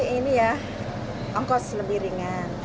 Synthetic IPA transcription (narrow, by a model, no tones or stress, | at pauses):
inija | ɔŋkɔʔsələmbiɾiŋan